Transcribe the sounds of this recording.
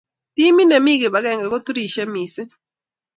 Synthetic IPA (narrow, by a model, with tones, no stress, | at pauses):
t̪i˦mi˦nɛ˨mi˦ɡɪ˨ba˨˦ɡɛ˨ŋɡɛ˨ɡo˦t̪ɾi˨ʃɛ˦mi˨sɪ˦